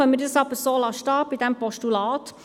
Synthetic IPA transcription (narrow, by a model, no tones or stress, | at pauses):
œmədəsɑpəsoːlɑʃtɑːpid̪ɛmpɔʃtulɑːt